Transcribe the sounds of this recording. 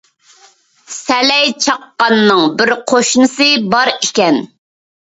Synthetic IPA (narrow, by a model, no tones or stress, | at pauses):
sɛlɛjt͡ʃʰɑqːɑnːɨŋbɪɾqʰoʃnɨsɨbɑɾikʲɛn